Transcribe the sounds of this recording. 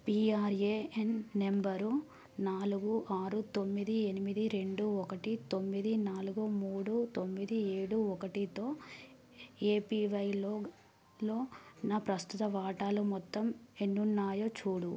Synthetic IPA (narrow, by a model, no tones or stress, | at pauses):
piːaːɾeːenːembɐɾu | naːluɡuʔaːɾut̪o̞mːid̪ienimid̪iɾe̞ɳɖuɔkɐʈit̪o̞mːid̪inaːluɡumuːɽut̪o̞mːid̪ie̞ːɽuɔkɐʈit̪o̞ː | e̞ːpiːʋɐjloː | lo̞ːnaːpɾɐst̪ut̪ɐʋaːʈaːlumɔt̪ːɐmenːunːaːjot͡ʃuːɽu